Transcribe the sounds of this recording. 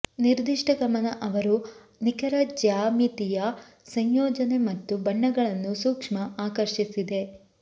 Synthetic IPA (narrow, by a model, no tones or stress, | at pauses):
niɾd̪iʂʈɐɡɐmɐnɐʔɐʋɐɾu | nikɐɾɐd͡ʒaːmit̪ijɐ | sɐɲjɔːd͡ʒɐne̞mɐt̪ːubɐɳːɐɡɐɭɐnːusuːkʂmɐaːkɐɾʂisid̪e̞